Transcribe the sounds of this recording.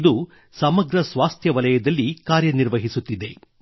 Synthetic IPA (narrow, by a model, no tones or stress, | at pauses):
d̪u | sɐmɐɡɾɐsʋaːst̪ʰjɐʋɐlɐjɐd̪ɐlːikaːɾjɐniɾʋɐɦisut̪ːid̪e̞